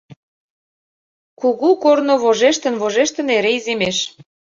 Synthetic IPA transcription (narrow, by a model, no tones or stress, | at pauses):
kuɣukornoβoʒeʃt̪ə̆nβoʒeʃt̪ə̆neɾeizemeʃ